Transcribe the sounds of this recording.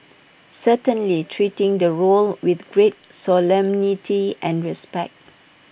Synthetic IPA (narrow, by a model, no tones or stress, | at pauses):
sətə̃nlitʰɹitɪ̃ŋdəɹolwɪθɡɹet̚sɔlɛ̃mnitʰiʔɛ̃nɹɛspɛ̰k̚t̚